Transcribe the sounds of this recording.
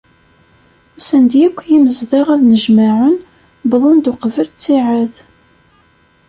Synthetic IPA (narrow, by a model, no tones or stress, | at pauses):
sænd̪jækʷːjiməzðaʁæðnəʒmaʕən | bðˤənd̪ʊqəvəlt͡sːiʕəð